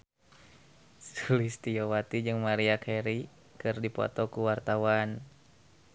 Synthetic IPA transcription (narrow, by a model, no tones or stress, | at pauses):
sulist̪iowat̪id͡ʒɨŋmaɾiakʰɛɾi | kɨrdipɔ̰t̪ɔkuwart̪awan